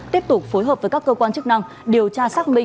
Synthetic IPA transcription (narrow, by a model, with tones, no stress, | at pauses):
t̪i˦˥əp̚t̪ʊ˨˩k͡p̚fo˨˦jɦəː˨˩p̚vəː˨˦jkaː˦˥kːəː˧kwaː˧nt͡ɕk̚na˧ŋ | ɗi˨˩əwt͡ɕaː˧saː˦˥k̚mï˧